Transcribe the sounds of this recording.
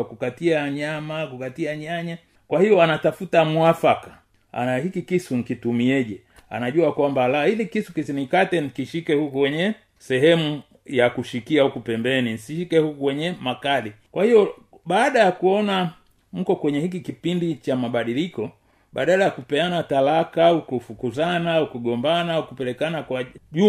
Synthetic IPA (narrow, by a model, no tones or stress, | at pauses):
kukatiaɲamakukatiaɲaɲa | kwahijɔanatafutamwafaka | a̰nahikikisun̩kitumiɛʄɛ | a̰naʄuakwambalailikisukisinikatɛnikiʃikɛhukwɛɲɛ | sɛɦɛmu | jakuʃikiaukupɛmbɛninisiʃikɛhukukwɛɲɛmakalikwʔahijɔ | ɓaːɗajakuɔna | m̩kɔkwɛɲɛhikikipindit͡ʃamaɓaɗilikɔ | ɓa̰ɗalajakupɛanatalakaukufukuzanaukuɡɔmbanaukupɛlɛkanakwaʄu